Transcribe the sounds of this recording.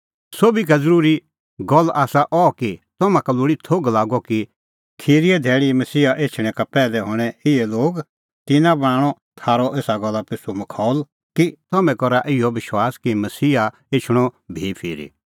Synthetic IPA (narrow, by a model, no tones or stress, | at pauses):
soːbik̬azɐɾuːɾi | ɡɔlːaːsaʔɔkit̪ɔmãkalʊːɽit̪ʰoːɡlaːɡɔki | kʰiːɾiɛd̪ʱɛːɽimɐsiːaʔeːt͡ʃʰɽ̃ɛ̃kapɛːlɛɦoːɽ̃ɛɪɛloːɡ | t̪ɪnãb̃aːɽ̃ɔ | t̪ʰaːɾɔʔeːsaɡɔlːapɪsumɐkʰɔːl | kit̪ɔmɛ̃kɔɾaʔɪjɔʋɪʃwaːskimɐsiːa | eːt͡ʃʰɽ̃ɔbʱipʰiːɾḭ